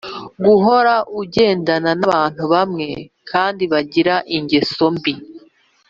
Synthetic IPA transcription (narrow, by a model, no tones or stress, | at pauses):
ɡuɦo̞ɾaʔuɟe̞ːndananaβaːn̥huβamŋe̞kʰaːndiβaɟiɾaʔiɲɟe̞so̞mbi